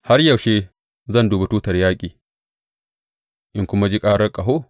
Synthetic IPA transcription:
ha˦rjɐ˨ʃe˦ | zɐ˦˨nduː˨ba˨tuː˦tɐ˨rjaː˦kʲʼiː˨ | ʔɪ˦ŋkʷʊ˦ma˦d͡ʒi˦kʼaː˦ɽɐ˦rkʼɐ˨ɦo˦

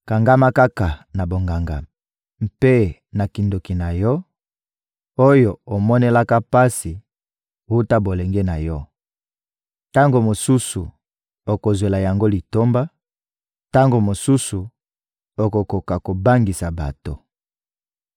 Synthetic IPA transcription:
ka˨ŋɡa˦ma˦ka˦ka˨na˨bo˨ŋɡa˨ŋɡa̰˨ | m̩˨pe˦na˨ki˨ndo˨ki˨na˨jɔ˦ | o˦jo˨o˨mɔ˦ne˦la˦ka˦pa˦si˨ | wu˦ta˦bo˨le˨ŋɡe˦na˨jɔ˦ | ta˦ŋɡo˨mo˨su˦su˨ | o˨ko˨zwe˨la˨ja˨ŋɡo˦li˨to˦mba˦ | ta˦ŋɡo˨mo˨su˦su˨ | o˨ko˨ko˨ka˨ko˨ba˦ŋɡi˨sa˨ba̰˨to˨

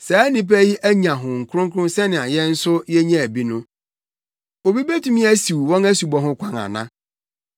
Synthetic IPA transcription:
saː˨˦nĩ˦p̬æ˦ji˦ʔæ˦ɲã˨ɦʊ̃˨ŋ̩˨kʰʊ˦ʊ̃˦ŋ˦kʰʊ˦ʊ̃˦sɛ˦nɪ̃˨a˨jɛ˦n̩˦sʊ˦jɛ˦ɲã˦æ˨bi˦nʊ̃˦ | o˨bi˦be˦tʰũ˦mĩ˦æ˦si˨wwɔ̃˦næ˦su˨bɔ˨ɦʊ̃˦kʷʰã˦ŋa̰˨nã˦

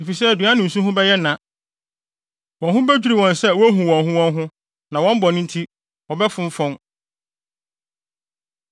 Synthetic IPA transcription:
e˨fi˨sɛ˦˨dɥã˦nʊ̃˨n̩˨sũ˦ɦʊ̃˦bɛ˦jɛ˦nã˨ | wɔ̃˨nɦʊ̃˦bɛ˦d͡ʑᶣu˦ɾi˨wɔ̃˨nsɛ˦wɔ˦ɦũ˨wɔ̃˨nɦʊ̃˦wɔ̃˦nɦʊ̃˦ | nã˨wɔ̃˦m˦bɔ˨nʊ̃˦n̩˦tʰi˦ | ɔ˨bɛ˦fʊ̃˦ɱ˦fɔ̃˦ŋ

